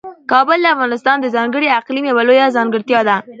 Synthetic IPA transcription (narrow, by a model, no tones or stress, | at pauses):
kɑbʊld̪əafɣɑnɪst̪ɑnd̪əzɑŋɡəɽiaqlimjewalojazɑŋɡəɾt̪jɑd̪a